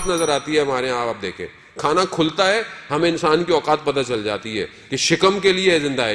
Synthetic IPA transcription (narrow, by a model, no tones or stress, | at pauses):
t̪nɐzəɾaːt̪iɦɛɦɐmaːɾeɦaːaːp̚d̪eːkʰḛ̃ː | kʰaːnakʰʊlt̪aɦɛɦɐmẽɪ̃nsaːnkiɔːkaːt̪̚pɐd̪at͡ʃɐld͡ʒa̰ːt̪iɦɛ̰ː | keʃɪkəmkeliezɪ̃nd̪aː